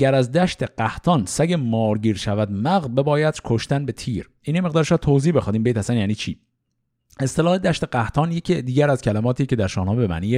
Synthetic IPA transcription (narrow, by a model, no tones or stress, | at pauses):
ɡæɾæzd̪æʃt̪ʰeɢ̥æht̪ʰɒːnsæɟemɒːɾɟiːɾʃævæd̪mæɣbe̞bɒːjæd̪̥kʰoʃt̪ænbe̞t̪ʰiːɾ | iːnjemeɣd̪ɒːɾeʃɒːt̪ʰoziːbe̞xɑːd̪iːmbet̪hæsænjæːniːt͡ʃʰiː | e̞st̪elɒːhe̞d̪æʃt̪e̞ɢæht̪ʰɒːnjecʰid̪iːɟæɾæzcʰælæmɒːt̪ʰiːcʰe̞d̪æɾʃɒːhnɒːebemæ̰niːje